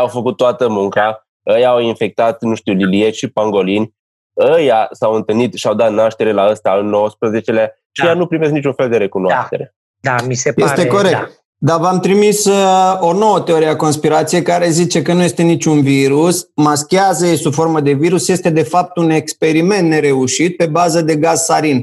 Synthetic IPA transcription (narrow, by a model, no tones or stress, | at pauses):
awfəkut̪̚ːoat̪əmuŋka | əjaːwinfe̞k̚t̪at̪nuʃt̪uwlilijeʃipaŋɡo̞linʲ | əjasawɨnt̪ɨlnit̪ʃiawd̪at̪naʃt̪e̞ɾe̞laəst̪aɨnːowəspɾəze̞t͡ʃe̞lea | ʃiejanupɾime̞s̬knit͡ʃunfe̞ld̪e̞ɾe̞kunoaaʃt̪e̞ɾe̞ | d̪amisejest̪e̞ko̞ɾe̞k̪̚ | d̪avamt̪ɾimiso̞no̞wət̪eoɾiako̞nspiɾat̪sije̞jkaɾe̞zit͡ʃe̞kənuje̞st̪e̞nit͡ʃʲunviɾusmaskʲeazəesufo̞ɾməd̪e̞viɾusje̞st̪e̞d̪e̞fap̚t̪une̞kspe̞ɾime̞nt̪ne̞ɾe̞uʃit̪̚pe̞bazəd̪e̞ɡazsaɾin